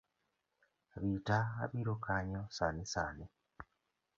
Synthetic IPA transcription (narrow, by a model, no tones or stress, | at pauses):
βitaːβiːɾokaːɲosaːnesaːne